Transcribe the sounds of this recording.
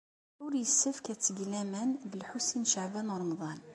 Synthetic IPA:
uɾjəsːəfkæt͡s̪ːəɡlæmænbəlħusinʃaʕbænɾˤɑmd̪ˤɑn

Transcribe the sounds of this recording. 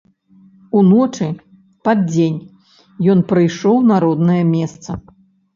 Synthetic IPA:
unɔt͡ʂɨ | pad̪̚d͡zʲenʲ | jɔnpɾɨjʂɔwnaɾɔd̪nɐjɐmʲɛst̪sɐ

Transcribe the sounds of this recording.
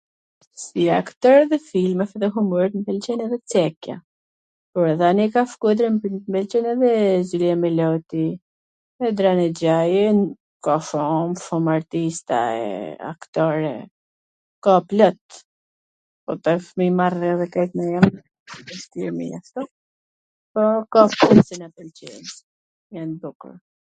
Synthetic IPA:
siakt̪ɔɾɛðɛfilmɛfɛðɛɦuməɾt̪mbɛlt͡ʃɛnɛðɛt͡sɛkja̰ | pɔɾðanikaʃkud̪ɾɛmmbɛlt͡ʃɛnɛðɛziliamɛlɔt̪i | ɛd̪ɾanɛd͡ʑajɛn | kɔʃɔmʃɔmaɾt̪ist̪a̰ɛ̰a̰kt̪ɔɾɛ̰ | kaplɔt̪ | pɔt̪ɛfmimarɛðɛkɛjt̪mɛjam | ɛst̪imḭa̰ʃt̪ɔ | pɔkapunsinapəlt͡ɕɛns | janbukṵɾ

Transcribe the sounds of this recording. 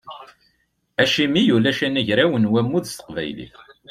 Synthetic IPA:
æʃimijulæʃænæʝɾæwənwæmːuðst̪ə̥qvæ̰jlḭf

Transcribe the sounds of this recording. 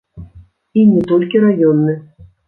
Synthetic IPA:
inʲɛt̪ɔlʲkʲiɾajɔnːɨ

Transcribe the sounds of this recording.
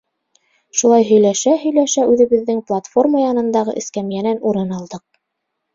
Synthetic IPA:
ʃulˠɑjɦɵ̆jlæʃæɦɵ̆jlæʃæʉðɘ̆βɘ̆ðːɘŋplˠat̪fo̞rmajɑnɤ̆nd̪ɑʁɤ̰ʔɘ̆skæmjænænuɾɤnɑlˠd̪ɤq̚

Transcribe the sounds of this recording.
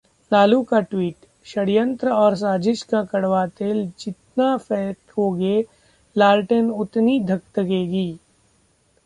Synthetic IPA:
laːlukaʈwiːʈ | ʃɐɽijə̃nt̪ɾəɔːɾs̬aːd͡ʒɪʃkakɐɽʋaːt̪eːld͡ʒɪt̪̚nafɛːt̪oːɡe | laːlʈənʊt̪nid̪ʱɐkt̪əɡeːɡiː

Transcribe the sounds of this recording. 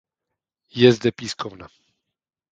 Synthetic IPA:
jɛzd̪ɛpiːskʰɔvna

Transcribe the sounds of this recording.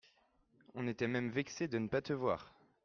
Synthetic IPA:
ɔ̃net̪ɛmɛmvɛksed̪ənəpat̪əvwa̰ːʁ

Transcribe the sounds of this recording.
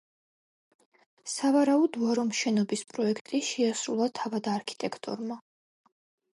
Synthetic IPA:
savaɾaud̪uaɾɔmʃɛnɔbispʼɾɔɛkʰt̪ʼiʃɛasɾulˠat̪ʰavad̪aɾkʰi̥t̪ʼɛkʰt̪ʼɔ̰ɾma

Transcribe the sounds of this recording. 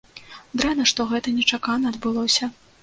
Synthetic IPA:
d̪ɾanɐʂt̪ɔɣɛt̪ɐnʲɛt͡ʂakanɐːd̪bɨlˠɔsʲɐ

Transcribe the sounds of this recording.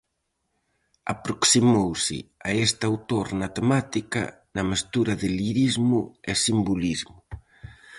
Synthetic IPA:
apɾoksimowsɪ̰a̰est̪awt̪oɾnɐt̪emat̪ikɐ̰ | nɐmest̪uɾɐðɪliɾizmʊɛsimbulizmʊ

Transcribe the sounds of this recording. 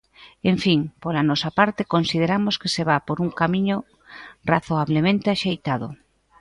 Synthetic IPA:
eɱfiŋpolanɔsapaɾt̪ekonsið̞eɾamoskeseβapoɾuŋkamiɲo | raθoaβlemẽnt̪eaʃejt̪að̞ʊ̰

